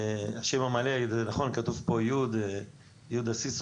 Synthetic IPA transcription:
aʃemamalezenaχonkat̪uvpojud̪ | jud̪asis

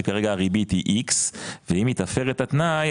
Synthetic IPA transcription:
kaʁeɡaaʁibit̪hiʔiksveimit̪afeʁet̪at̪naj

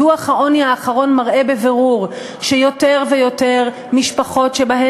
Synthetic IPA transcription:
uaχaʔoniaːχaʁo̞nmaʁʔe̞beveʁuʁ | ʃejo̞teʁvejo̞te̞ʁ | miʃpaχo̞tʃebaɦe

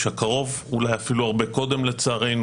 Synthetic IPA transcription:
ʃhakaʁo̞v | ulajafiluaʁbe̞ko̞d̪e̞mle̞t͡saːʁe̞jn

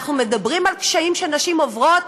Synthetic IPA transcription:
χnume̞dabʁimalkʃaimʃeanaʃimovʁo̞t

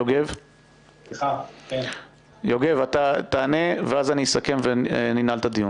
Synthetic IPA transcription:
joɡev | joɡe̞vat̪at̪aːne̞veazanisake̞mveninalt̪ad̪iju

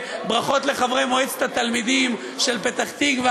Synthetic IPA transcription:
bʁaχo̞t̪le̞χavʁemoet͡se̥t̪at̪almid̪im | ʃelpet̪aχt̪iɡve

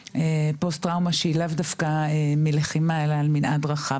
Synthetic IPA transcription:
epostʁawmaʃeilavdafkaemileχimaelaːlminʔadʁaχa

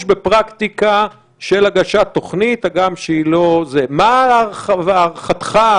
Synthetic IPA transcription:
ʃbepʁakt̪ika | ʃelaɡaʃat̪ːo̞χnit̪aɡamʃeilo̞zemaavʁχat̪χa

